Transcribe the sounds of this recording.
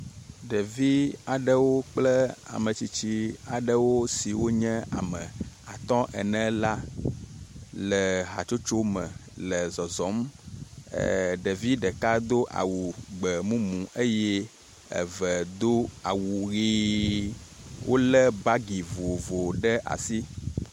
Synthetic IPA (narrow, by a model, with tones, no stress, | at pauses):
ɖə˨vi˦a˨ɖə˦wo˦k͡plə˦a̰˨mə̃˨t͡ɕi˨t͡ɕi˦a˨ɖə˦wo˦si˨wo˦ɲɛ̃˦a̰˨mə̃˨a˨t̪ɔ̃˦ʔɛ̰˨nɛ̃˦la˦ | lə˨ɦa̰˨t͡ʃo˦t͡ʃo˦mə̰̃˨lə˨zɔ˨zɔ˨˦m̰˨ | ɖe˨vi˦ɖə˨ka˦d̪o˦ʔa̰˨wu˨ɡ͡bə˨mũ˦mũ˨ʔə˦je˦ | ə̰˨və˨d̪o˦a˨wu˨ɣi˦ | wʔo̰˦lə˦ba˦ɡi˨vo˨vo˨ɖə˦ʔa̰˨si˦